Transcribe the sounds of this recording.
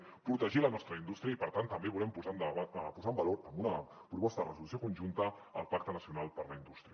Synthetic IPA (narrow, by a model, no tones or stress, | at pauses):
pɾut̪əʒilənɔst̪ɾəind̪ust̪ɾiəipəɾt̪ant̪ːəmbeβulɛmpuzand̪əβapuzambəloɾəmunə | pɾupɔst̪əðərəzulus̬jokunʒunt̪ə | əlˠpakt̪ənəsiunalˠpəɾləind̪ust̪ɾiə